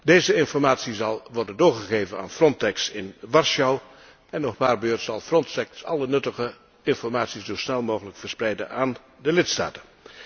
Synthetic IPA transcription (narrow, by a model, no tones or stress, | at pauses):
deːjzəɪnfɔrmaːtsizɑlˠʋɔɹdəndoːɹχəɣeːjvəna̰ːnfrɔntɛksɪnʋɑɹʃɑw | ɛnːɔχpaːrbøːɹtsɑlˠfrɔntɛksɑ̰lˠənɵtəɣə | ɪnfɔrmaːtsiszosnɛlˠmoːɣələkfərsprɛjdə̰naːn | dəlɪtsta̰ːtən